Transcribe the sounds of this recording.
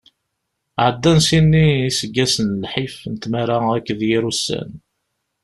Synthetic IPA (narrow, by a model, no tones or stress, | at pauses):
ʕəd̪ːænsinːiːsəɡːæsənlħifnət̪maɾaækːðjiɾusːæ̰n